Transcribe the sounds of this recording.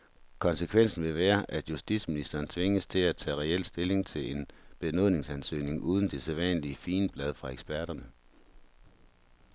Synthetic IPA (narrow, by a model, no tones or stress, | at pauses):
kʰɒ̽nsəkʰʋen̰sn̩ʋe̝ʋæːɐʔæd̥jusd̥ḭd̥sminisd̥ɐːnt͡sʰʋe̝ŋəst͡sʰe̝læt͡sʰɛ̰ːʁɛel̰sd̥e̝le̝ŋt͡sʰe̝le̝nb̥e̝no̝ð̰ˠne̝ŋsænsø̰ːne̝ŋʔuːð̞ˠn̩d̥e̝sɛðˠʋɛ̰nəliəfiːnəb̥lɛð̞ˠfʁɑ̈eɡ̥sb̥æɐ̰ɾ̥ɐnə